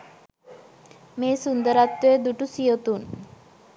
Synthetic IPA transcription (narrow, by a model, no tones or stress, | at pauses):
meːsund̪əɾat̪ːeed̪uʈusijot̪un